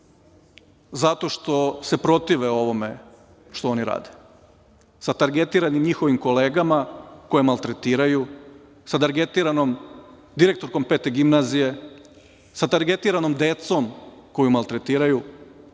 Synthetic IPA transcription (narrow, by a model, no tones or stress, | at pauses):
zat̪o̞ʃt̪o̞se̞pɾo̞t̪iʋeo̞ʋo̞me̞ | ʃt̪oo̞niɾa̰ːd̪e | sat̪aɾɡet̪iːɾanimɲixo̞ʋimko̞leːɡamako̞jemalˠt̪ɾet̪iːɾaju | sat̪aɾɡet̪iːɾanom | d̪iɾe̞k̚t̪o̞ɾko̞mpeːt̪eɡimnazije̞ | sat̪aɾɡet̪iɾanomd̪et̪so̞mko̞jumalˠt̪ɾet̪iːɾaju